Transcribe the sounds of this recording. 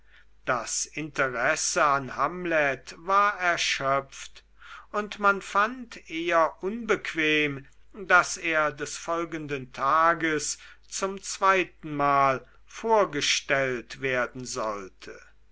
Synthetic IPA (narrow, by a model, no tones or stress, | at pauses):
d̥asɪntəʁɛsəanhamlɛtvaːɐɛɐʃœp͡ft | ʊntmanfantʰʔeːɐʔʊnbəkʰv̥eːm | daseːɐdɛsfɔlɡəndəntʰaːɡəs | t͡sʊmt͡sv̥aɪtn̩maːl | foːɐɡəʃtɛltv̥eːɐdn̩zɔltʰə